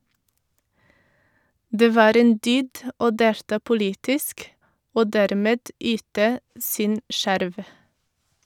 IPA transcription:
ˈdeː ˈʋɑːɾ ˈeːn ˈdyːd ə ˈoː ˈdeːltɑː pʊˈliːtɪsk ˈoː ˈdɛɾmeːd ˈyːtə ˈsɪn ˈʃæɾʋ

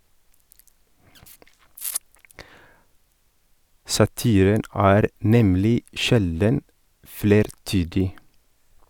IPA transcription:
sɑˈtiːɾən ˈæːɾ ˈnɛmlɪ ˈʃɛldən ˈfɽeːɾˌtyːdɪ

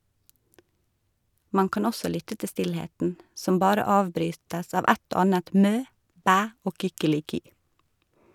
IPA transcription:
ˈmɑn ˈkɑːn ˈɔsɔ ˈlʏtə ˈtɪ ˈstɪlheːtn ˈsɔm ˈbɑːɾə ˈɑːʋˌbɾyːtəs ˈɑːʋ ˈɛt ˈoː ˈɑːnət ˈmøː ˈbæː ˈoː kʏkəlɪˈkyː

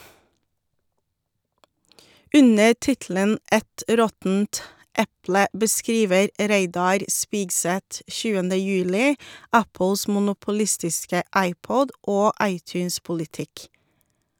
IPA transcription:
ˈʉnə ˈtɪtl̩ən ˈɛt ˈɾɔtn̩t ˈɛplə bəˈskɾiːʋəɾ ˈɾeɪdɑɾ ˈspiːɡˌsɛt ˈçʉːəndə ˈjʉːlɪ ˈɑpl̩s mʊnʊpʊˈlɪstɪskə ˈɑɪˌpɔd ˈoː ˈɑɪˌtjʉːnspʊlɪˌtɪk

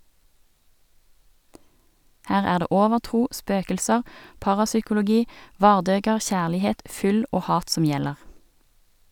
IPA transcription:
ˈhæːʁ ˈæːʁ ˈdeː ˈʔoːʋəʁˌtʁuː ˈspøːkəlsəʁ ˈpɑʁɑsʏkʊlʊˌɡiː ˈʋɑːʁˌdøːɡəʁ ˈçæːlɪˌheːt ˈfʏl ˈoː ˈhɑːt ˈsɔm ˈjɛləʁ

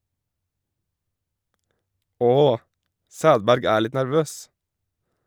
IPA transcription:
ˈoː ˈsæːdbæɾɡ ˈæːɾ ˈlɪt næɾˈʋøːs

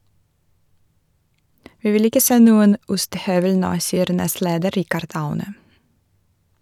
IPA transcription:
ˈʋiː ˈʋɪl ˈɪkə ˈseː ˈnuːən ˈʊstəˌhœʋəl ˈnoː ˈsiːəɾ ˈnɛstˌleːdə ˈɾɪkəɾd ˈɑʉnə

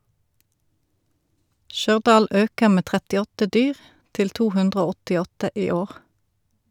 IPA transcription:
ˈʃœʁˌdɑːl ˈøːkəʁ ˈmeː ˌtʁɛtɪˈɔtə ˈdyːʁ ˈtɪl ˈtuː ˈhʉndʁə ˈoː ˌɔtɪˈɔtə ˈʔiː ˈoːʁ

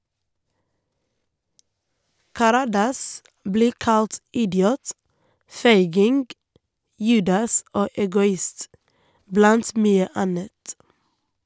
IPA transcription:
kɑˈɾɑːdɑs ˈbliː ˈkɑlt ˈɪdɪuːt ˈfeɪɡɪŋɡ ˈjʉːdɑs ˈoː ɛɡʊˈɪst ˈblɑnt ˈmyːə ˈɑnət

